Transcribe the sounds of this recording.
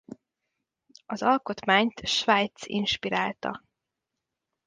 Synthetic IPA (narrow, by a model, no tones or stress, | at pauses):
ɒzɒlko̞t̪maːɲt̪ʃvaːjt̪sḭnʃpiɾaːlt̪ɒ̰